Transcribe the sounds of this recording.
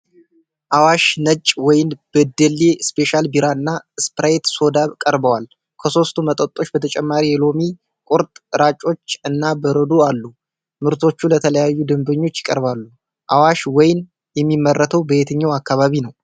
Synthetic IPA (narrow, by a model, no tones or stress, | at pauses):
ʔawaʃnət͡ʃʼwɔjɪnb̥əd̪əlːespʰe̞ʃalbiɾaɨnːaɨspɾajt̪so̞d̪aβkʼəɾbəwal | kʰəso̞st̪ʰumət̪ʼət̪ʼːo̞t͡ʃːbət̪ʰət͡ʃʼɛmːaɾijɛlo̞mi | kʼʊɾt̪ʼɾat͡ʃʼo̞t͡ʃːɨnːabəɾəd̪ualːu | mɨɾt̪ʰo̞t͡ʃːulət̪ʰələjajːud̪ɨmbəɲːo̞t͡ʃːjɪkʼəɾβalːu | ʔawaʃwɔjn | jɛmːimːərːət̪ʰəwbəet̪ʰəɲːawakːaβaβinəw